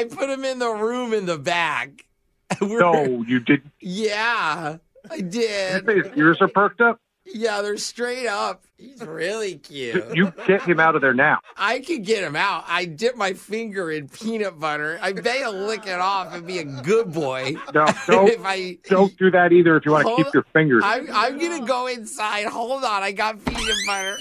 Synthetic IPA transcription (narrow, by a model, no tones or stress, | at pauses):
aɪpʰʊɾ̚ɨ̃mɪ̃nðəɹũmɨ̃nðəbæk | wɪoʊjɨdɪdⁿn̩tjæ | aɪdɪdeɪzəɹsə˞pʰɜ˞k̚tʌp̚ | jæðə̥˞stɹ̥eɪɾʌp̚hizɹɪlˠikʰjʉjɨɡɛt̚hɨ̃maʊɾʌvðə˞naʊʔaɪkʰɨd̚ɡɛt̚hɨ̃maʊt̚aɪdɪt̚maɪfɪ̃ŋɡə˞ɨ̃npʰĩnɪp̚b̥ʌɾə˞aɪbeɪəlɪkɪɾɔfɨ̃nbiɨɡʊd̚bɔɪnoʊd̥õʊ̃ɪfaɪd̥õʊ̃nd̥ɨðɨɾiðə˞ɨfjɨwɑ̃ñɨkipjə˞fɪ̃ŋɡə˞ãɪ̃ãɪ̃mɡʌnɨɡoʊɪ̃nsaɪd̥̚hoʊlˠdə̃naɪɡɑt̚pʰĩnɨp̚b̥ʌnə˞